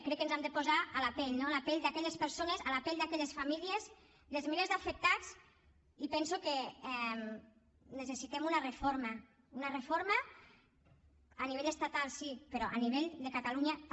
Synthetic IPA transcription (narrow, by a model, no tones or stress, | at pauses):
kɾɛkːənzamd̪əpozaalapɛʎnolapɛʎd̪akɛʎespəɾsonezalapɛʎd̪akɛʎesfamiliez | lezmelezðafək̚t̪at͡s | ipɛnsukeɛm | nəsesit̪ɛmunarəfoɾma | unarefoɾmə | aniβ̞eʎəst̪at̪alˠsipəɾɔʔaniβ̞eʎd̪ekat̪aluɲa